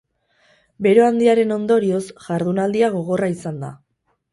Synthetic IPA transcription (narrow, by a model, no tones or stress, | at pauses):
be̞ɾoand̪iaɾe̞no̞nd̪o̞ɾio̞sʝaɾðunald̪iaɣ̞o̞ɣ̞o̞raisand̪a̰